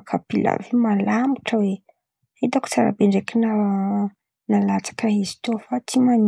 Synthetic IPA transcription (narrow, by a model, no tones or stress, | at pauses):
kʰapila̰vimalamiʈ͡ʂəwe | id̪aku̥t͡saɾa̰beɳɖ͡ʐekina | nalat͡sḁkaɦizi̥t̪ufat̪ʰiman